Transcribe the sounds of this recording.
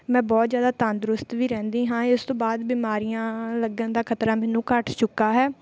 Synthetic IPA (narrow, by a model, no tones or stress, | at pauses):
mɛ̃ːbɔːt̪zjaːd̪aːt̪ãːnd̪ɾʊst̪ʋiːɾɛ̃ːnd̪iːɦãːɪst̪õːbaːd̪biːmaːɾijãːləɡãːd̪aːkʰət̪ɾaːmɛːnũːkəʈt͡ʃʊkːaːɦɛː